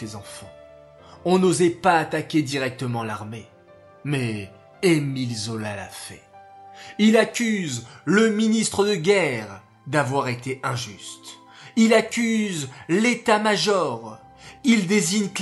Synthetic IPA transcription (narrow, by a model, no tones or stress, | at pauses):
ezɑ̃fɑ̰̃ | ɔ̃nozɛpaːt̪akʲed̪iʁɛk̚t̪əmɑ̃laʁme | mɛ | emilzɔlala̰fɛ̰ | ilakʲyzləminist̪χəd̪əɡʲɛʁ | d̪avwaʁet̪eʔɛ̃ʒyst̪ | ilakʲyzlet̪amaʒɔʁ | ild̪eziɲk